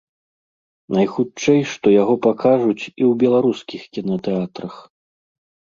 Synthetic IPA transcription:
najxut͡ʂɛjʂt̪ɔjaɣɔpakʰaʐut͡sʲiwbʲɛlˠaɾuskʲixkʲinɐt̪ɛat̪ɾɐx

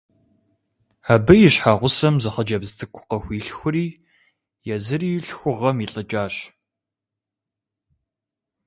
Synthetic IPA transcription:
aːbɨjɪɕħaːʁʷʊsɐmzɐχɐd͡ʒɐbztʰɨkʷʰʊ̥qɐxʷiːɬxʷʊriː | jɛzɨriːjɬxʷʊʁɐmiɬʼɐd͡ʒʼaːɕ

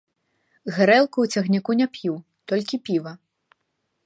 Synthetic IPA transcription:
ɣɨɾɛlˠkuwt͡sʲɐɣnʲikunʲapʲju | t̪ɔlʲkʲipʲivɐ

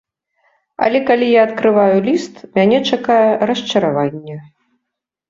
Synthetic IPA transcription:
ɐ̰lʲɛkalʲijaːt̪kɾɨvajulʲist̪mʲanʲɛt͡ʂakajɛɾɐʂt͡ʂɐɾavanʲːɛ

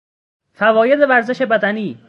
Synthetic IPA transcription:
fævɒːjed̪evæɾze̞ʃe̞bæd̪æniː

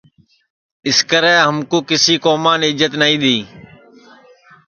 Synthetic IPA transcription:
ɪskəɾɛ̃ːɦəmkũːkɪsiːkoːmaːneːɪd͡ʒət̪naːĩːɗ̪iː

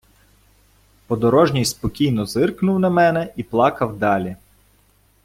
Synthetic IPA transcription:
pɔd̪ɔɾɔʒnʲijspɔkʲijnɔzɪrknʊwnɐmɛnɛiplˠɑkɐwd̪ɑlʲi

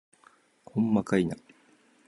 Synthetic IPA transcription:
kʰomːakaina

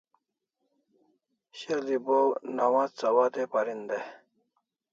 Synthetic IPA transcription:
ɕɐlibownawat͡sɐwad̪epɐɾind̪e

